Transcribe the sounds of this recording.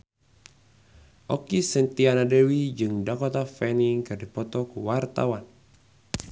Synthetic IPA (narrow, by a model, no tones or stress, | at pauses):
ʔɔkisɛnt̪ianadɛwid͡ʒɨŋdakɔt̪afɛniŋkɨrdipɔt̪ɔkuwart̪a̰wan